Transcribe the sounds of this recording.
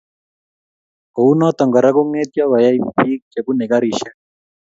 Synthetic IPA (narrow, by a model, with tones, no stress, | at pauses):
kɔ˨u˦nɔ˦t̪ɔ˨ŋɡa˨ɾa˦ku˦ŋɛ˦t̪ja˦βa˨ja˦i˦ɸi˦kt͡ʃe˨ku˦nɛ˨ka˦ɾi˦˨ʃa˦